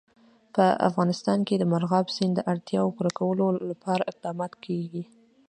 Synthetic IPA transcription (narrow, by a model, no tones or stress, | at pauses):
pəa̰fɣɑnɪst̪ɑnked̪əmaɾɣɑbsind̪əʔaɽt̪jɑwopuɾakawəlolapɑɾaɪq̚d̪ɑmɑt̪kʰeɡi